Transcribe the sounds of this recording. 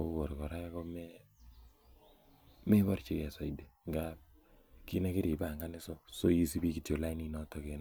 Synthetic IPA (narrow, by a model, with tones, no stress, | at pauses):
o˦bo˨ɾkɔ˨ɾa˦kɔ˦mɛ˦ | me˦bɔ˦ɾt͡ʃi˦kɛ˨sa˨ide˨ŋɡa˦ | ki˦ne˦kɪ˦ɾi˨ba˦˨ŋɡa˦nɪ˦so˦so˦ji˦si˦bi˦ki˨tjo˨la˦i˦ni˦nɔ˦tɔ˦ke˨n